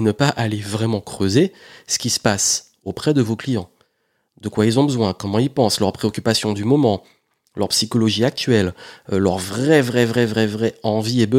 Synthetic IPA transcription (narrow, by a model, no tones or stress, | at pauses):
enəpaʔalevʁɛmɑ̃kχøzesə̥kʲisə̥pas | opχɛd̪əvoklijɑ̃ | d̪əkwailzɔ̃bəzwɛ̃kɔmɑ̃ilpɑ̃slœʁpχeɔkʲypasjɔ̃d̪ymɔmɑ̃ | lœʁpsikɔlɔʒiak̚t̪ɥɛllœʁvʁɛvʁɛvʁɛvʁɛvʁɛɑ̃viebə